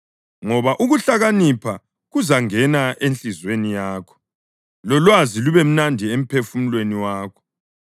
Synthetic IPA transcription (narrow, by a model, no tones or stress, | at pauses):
ŋɔβaʔuɣuɬaɣanipʰa | ɣuzaŋɛnaʔent͡ɬʼizwenijaːkʰɔ̥ | lɔlwaziluβem̩nandʱiem̩pʰefum̩lweniwaːkʰɔ̥